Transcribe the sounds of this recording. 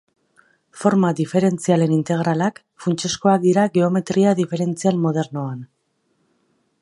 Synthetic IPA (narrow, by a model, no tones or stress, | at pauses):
fo̞ɾmaðife̞ɾe̞nt͡siale̞nint̪e̞ɣ̞ɾalak | funt͡ʃesko̞ak̚d̪iɾaɣeo̞me̞t̪ɾiaðife̞ɾe̞nt͡sialmo̞ð̞e̞ɾnoan